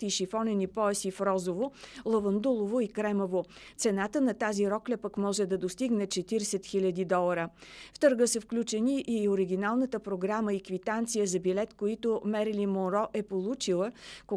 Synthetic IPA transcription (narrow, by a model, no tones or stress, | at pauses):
t̪iʃifɔnɛnipɔɛsifɾɔzovolˠɐvɐnd̪ulˠovoikɾɛmovot̪sɛnat̪ənɐt̪aziɾɔklɛpəkmɔʒɛd̪ɐd̪ost̪iɡnɛt͡ʃɛt̪iɾsɛt̪xilʲəd̪id̪ɔlˠəɾəft̪ɤɾɡəsəfklʲut͡ʃɛniʔioɾiɡʲinalˠnət̪əpɾoɡɾaməikvit̪ant̪sijəzɐbilɛt̪koit̪ʊmɛɾlimoɾɔʔɛpolˠut͡ʃilˠəko